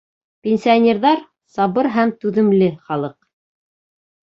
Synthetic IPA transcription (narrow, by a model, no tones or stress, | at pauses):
pʲenʲsʲijanʲeɾðɑɾ | sɑβɤɾɦæmt̪ʉðɘ̆mlɘχɑlˠɤq̚